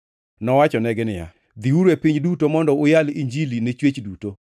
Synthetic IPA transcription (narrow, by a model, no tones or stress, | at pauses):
nɔwat͡ʃɔnɛɡɪnɪja̰ | d̪iuɾepiɲdutomɔndɔʊjaliɲd͡ʒilinet͡ʃwet͡ʃduto